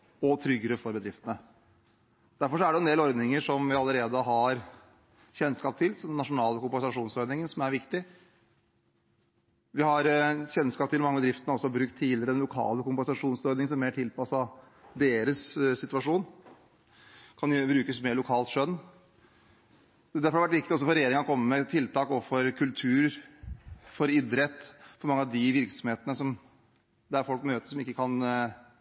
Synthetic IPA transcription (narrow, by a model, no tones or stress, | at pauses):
ɔt̪ʰɾʏɡːəɾəfɔɾbəd̪ɾɪft̪ənə | d̪̥æɾfɔʂɔæɖɛʊɛnd̪eːlɔɾd̪nɪŋəʂɔmʋɪɑləɾeːd̪əɦɑɾ | çɛnːskɑːp̚t̪ʰɪlsɔd̪ɛnːɑʂʊnɑːləkʊmpɛnsɑʂuːnsɔɾd̪nɪŋənsɔmæɾʋɪkt̪ɪ | ʋɪhɑɾçɛnːskɑːp̚t̪ʰɪlmɑŋːəbəd̪ɾɪft̪ənəɔsːɔbɾʉk̚t̪ʰːiːlɪəɾəd̪ɛnlʊkʰɑ̰ːləkʊmpɛnsɑʂuːnsɔɾd̪nɪŋsɔmæmeːʈʰɪlpɑsɑ | d̪eːɾəsːɪt̪ʉɑʂuːn | kʰɑnbɾʉːkəsmeːɭʊkʰɑːlt̪ʂœnː | d̪æɾfɔɾɑɾʋæʈʋɪkt̪ɪɔsɔfɔɾɛjeːɾɪŋəɑkʰɔmːəmɛt̪ʰɪlt̪ɑːkɔfɔɾkʰʉlt̪ʰʉːɾ | fɔɾɪd̪ɾɛt̪ːfɔɾmɑŋːəɑd̪ɪʋɪɾksɔmheːt̪ənəsɔm | d̪ææɾfɔlkmøːt̪əʂɔmɪkːəkʰɑn